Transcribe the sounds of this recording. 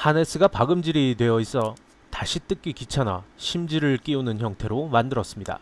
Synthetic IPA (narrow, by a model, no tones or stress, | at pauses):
hane̞s͈ʰɯɡapaɡɯmd͡ʑiɾitwe̞ʌis͈ʌ | taɕʰit͈ɯk͈ikit͡ɕʰana̰ɕʰimd͡ʑiɾɯɭk͈iunɯnçjʌŋtʰe̞ɾomandɯɾʌs͈ɯmɲida̰